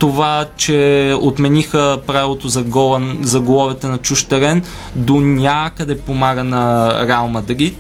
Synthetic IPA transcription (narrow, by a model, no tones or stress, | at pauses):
t̪ovat͡ʃɛot̪mɛnixəpɾavilˠot̪ozɐɡɔzɐɡolˠɔvɛt̪ɛnɐt͡ʃuʃt̪ɛɾɛn | d̪onʲakəd̪ɛpomaɡənɐɾalˠməd̪ɐɡʲi